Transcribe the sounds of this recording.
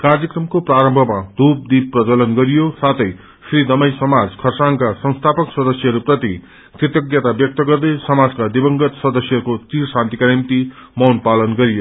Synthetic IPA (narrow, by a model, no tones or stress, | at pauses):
kard͡zʌkrʌmkopraɾʌmbʱʌmad̪up̚d̪ib̚pːrʌd͡zʌlʌnɡʌɾijosat̪ʰʌj | srid̪ʌmʌjsʌmad͡zkʰʌrsaŋkasʌŋst̪ʰapʌksʌd̪ʌsjʌɦʌɾuprʌt̪i | kit̪ʌɡjʌt̪abjʌk̚t̪ʌɡʌrd̪ʌjsʌmad͡zkad̪ibʌŋɡʌt̪sʌd̪ʌsjʌɾukot͡sirsãnt̪ikanimt̪imʌwnpalʌnɡʌɾijo